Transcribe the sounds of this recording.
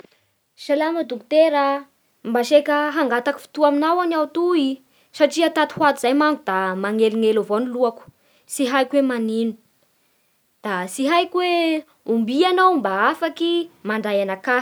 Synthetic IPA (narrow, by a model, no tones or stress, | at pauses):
ʃalaməd̪uku̥t̪eɾa | mbaʃekəɦaŋɡat̪aku̥fi̥t̪uaminawanawt̪ui | saʈ͡ʂiat̪at̪i̥hwat̪uz̥ajmaŋɡud̪amaŋeliŋelavoniluaku̥ | siɦajkwemaninu̥ | d̪̥asiɦajkwe | umbianawmbaafakimaɳɖ͡ʐajanakḁ